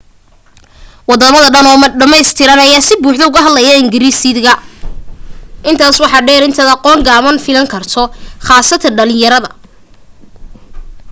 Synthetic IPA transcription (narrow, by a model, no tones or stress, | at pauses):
wɑd̪ɔːmɐðɐɖɐnɔːɖɐmɛjst̪ʰɪɾɐnɐjaːsɪbuːħd̪ɛʊɣɐɦɐd̪lɐjɐɪŋɡɪɾiːsiðɣɐ | ʔɪnt̪ʰaːswɑħɑːɖɛːɾɪnt̪ʰɐd̪ɑqɔːŋɡaːβɐnfɪlɐŋkʰɐrt̪ʰɔχɑːsɐt̪ʰɐɖɐlɪ̃jɐɾɐðɐ̰